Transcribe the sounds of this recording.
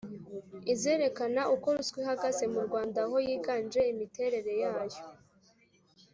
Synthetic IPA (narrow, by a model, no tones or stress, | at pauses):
ize̞ːɾe̞kanauko̞ɾuswiɦaɡazemuɾɡwaːndaɦo̞jiːɡaːnd͡ʒe̞imite̞ɾe̞ɾe̞jaːjo̥